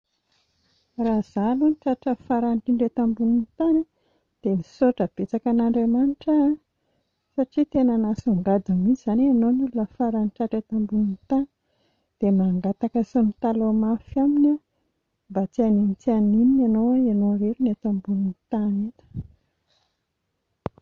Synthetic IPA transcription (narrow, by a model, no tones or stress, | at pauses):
raz̥aluniʈ͡ʂaʈ͡ʂəfaɾanikiɳɖ͡ʐet̪ambuninit̪ana | d̪̥emisoʈ͡ʂəb̥et͡sakanaɳɖ͡ʐemaniʈ͡ʂə | saʈ͡ʂit̪enanasuɳɖ͡ʐad̪amit͡siz̥anianonululəfaɾaniʈ͡ʂaʈ͡ʂet̪ambuninit̪ani̥ | d̪̥emaŋɡat̪akəsonit̪alomafamina | mbat͡s̪ianinit͡s̪ianinianowaanoɾeɾinet̪ambuninit̪anet̪ə̥